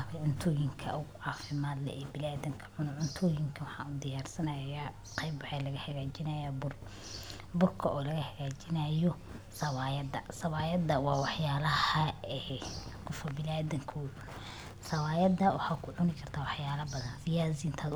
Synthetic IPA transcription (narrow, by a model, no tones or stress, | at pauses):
kʕʊnt̪ʰɔːjɪŋkʰɐ̰ʔʊɣʊʕɑːfɪmaːd̪lɛ̰ʔɛːbɪlaːðɪŋkʰɐ̥ʕʊnʊʕʊnt̪ʰɔːjɪŋkʰɐwɑħɑ̰ːnud̪ɪjaːrsɐnɐja | qɛjbʕɛːlɐɣɐhɐɣaːt͡ʃɪnɐjabʊr | bʊrkʰɐʔɔːlɐɣɐhɐɣaːt͡ʃɪnajɔ | sɐwaːjɐd̪ɐ̰sɐwaːjɐd̪ɐwɑːwɑħjaːlɐhɐɛkʰʊfɔbɪlaːðɪŋkʰɐʕʊn | sɐwaːjɐd̪ɐwɑħɑːkʰʊʕʊnɪkʰɐrt̪ʰaːwɑħjaːlɐbɐðɐnsɪjaːsɪnt̪ʰaːd̪